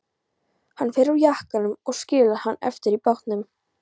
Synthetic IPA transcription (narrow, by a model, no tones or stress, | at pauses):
hanːfɛːɾɾawjahkanʏmɔɣscɪːlahanːɛ̰ft̪ɪɾipɔht̪nʏm